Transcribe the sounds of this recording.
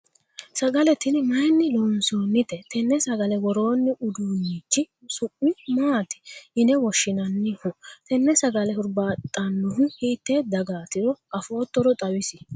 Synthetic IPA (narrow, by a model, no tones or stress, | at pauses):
sɐɡɐlɛt̪ɪnmɐjnːɪloːnsoːnːɪt̪ɛt̪ɛnːɛsɐɡɐlɛwɔɾo̞ːnːɪʔʊd̪unːiːt͡ʃːɪ | sʊʔʼɪmaːt̪ɪ̥ɪnɛwɔʃːɪnɐnːɪhʊt̪ɛnːɛsɐɡɐlɛhʊɾbaːt̪ʼːɐnːʊhʊhiːt̪ːeːd̪ɐɡaːt̪ɪɾɔɐfo̞ːt̪ːɔɾɔt̪ʼɐwɪsɪ